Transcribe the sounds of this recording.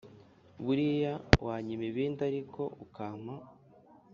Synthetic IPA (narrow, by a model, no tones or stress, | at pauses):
βuɾijawaːɲimiβiːndaɾikʰo̞ukaːma